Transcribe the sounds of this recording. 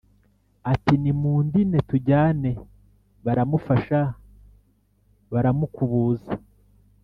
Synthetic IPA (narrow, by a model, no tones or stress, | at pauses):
atinimuːndine̞tuɟaːne̞ | βaɾamufaʃa | βaɾamukuβuːza